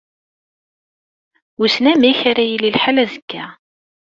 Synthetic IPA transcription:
usnæmiçaɾæjililħalæzəkːæ

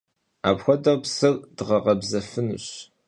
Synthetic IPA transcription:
a̰ːpxʷɔdɐpsɨrd̥ʁɐʁɐbzɐfɨnɨ̰ɕ

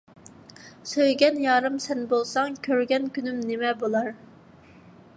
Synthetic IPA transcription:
søjɡʲɛnjɑːɾɨmsɛnbolˠsɑŋkʲʰøɾɡʲɛnkʲynymnɪmɛbolˠɑɾ

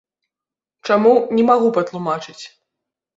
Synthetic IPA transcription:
t͡ʂamunʲɛmaɣupɐt̪lˠumat͡ʂɨt͡sʲ

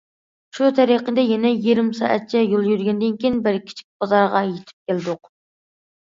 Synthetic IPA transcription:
ʃut̪ʰɛɾiqəd̪ɛjɛnɛjiɾɪmsɑ̰ʔɛ̰t̪̚t͡ʃʰɛjolˠjyɾɡʲɛnd̪ɪnkʲijinbɪɾkʲʰi̥t͡ʃʰi̥k̚ʲb̥ɑzɑɾʁɑjet̪ʰɪ̥p̚kʲʰælɪd̪ʊq

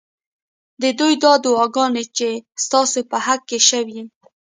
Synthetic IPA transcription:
d̪əd̪ujd̪ɑd̪uɑɡɑnet͡ʃest̪ɑsopəhakːeʃəwi

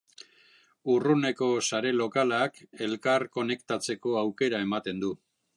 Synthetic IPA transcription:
urune̞ko̞saɾe̞lo̞kalake̞lkaɾko̞ne̞kt̪at͡se̞ko̞awke̞ɾae̞mat̪e̞nd̪u

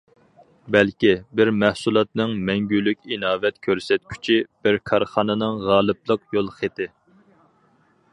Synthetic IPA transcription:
bɛlkʲibɪɾmæhsulˠɑt̪̚nɨŋmɛŋɡʲylykʲinɑːvɛt̪kʲʰøɾsɛt̪̚kʲʰy̥t͡ʃʰib̥ɪɾkʰɑɾχɑnɨnɨŋʁɑːlˠɨplˠəqjolˠχet̪ɪ

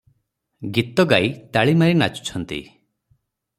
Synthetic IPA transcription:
ɡit̪ɔɡajt̪aɭimaɾinat͡ʃu̥t͡ʃʰɔnt̪ḭ

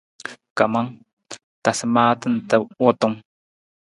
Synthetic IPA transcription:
kamaŋ | t̪asmaːt̪ant̪awot̪oŋ

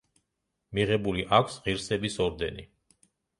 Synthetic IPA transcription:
miʁɛbuliʔakʷʰsʁiɾsɛbisɔɾd̪ɛnḭ

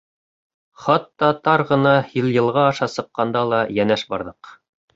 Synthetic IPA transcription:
χɑt̪ːɑt̪ɑɾʁɤ̆nɑjɤ̆lˠjɤ̆lˠʁɑːʃɑsɤ̆qːɑnd̪ɑlˠɑjænæʃbɑ̰ɾðɤq

